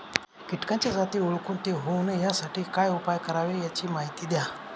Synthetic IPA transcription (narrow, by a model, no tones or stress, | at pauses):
kiʈkaɲt͡ɕjad͡zat̪iːuɭkuːnt̪eɦownejasaʈʰiːkajupajkəɾaʋejat͡ɕiːmaɦit̪iːd̪ja